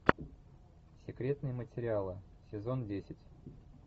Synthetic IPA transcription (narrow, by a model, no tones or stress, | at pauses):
sʲɪkɾʲe̞t̪nɨjəmətʲɪɾʲɪalˠɨ | sʲɪzo̞ndʲesʲɪtʲ